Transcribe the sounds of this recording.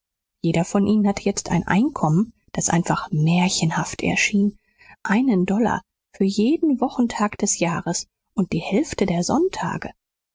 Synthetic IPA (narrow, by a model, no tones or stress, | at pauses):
jeːɾɐfɔnʔiːnənhatəjɛt͡stʰa̰ɪnʔa̰ɪnkʰɔmən | d̥asʔa̰ɪnfaχmɛːɐçənhaftʰɛ̰ɐʃiːn | ʔaɪnəndɔla̰ | fyːɐjeːdn̩vɔχn̩tʰaːkd̥ɛsjaːʁəs | ʔʊnt̚d̥iːhɛlftədeːɐzɔ̰ntʰa̰ːɡə